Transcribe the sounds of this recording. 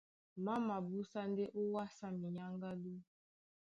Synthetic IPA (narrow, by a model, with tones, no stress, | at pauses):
ma˦ma˨bu˦sa˦n˦de˦ʔo˦wa˦sa˦mi˨ɲa˦ŋɡa˦du˦